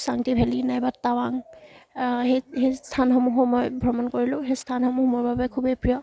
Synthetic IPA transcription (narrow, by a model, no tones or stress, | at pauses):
saŋtibʱelinajbatawaŋ | ɦejhejsstʰanxɔmuɦɔmɔjbʱɔmɔnkoɹilʊ̃ɦejstʰanxɔmuhmʊɹbabɛkʰubejpɹijɔ